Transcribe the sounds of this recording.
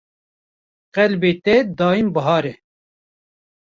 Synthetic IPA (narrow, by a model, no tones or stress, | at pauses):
qɛlbeːt̪ɛd̪ɑːimbɐɦɑːɾɛ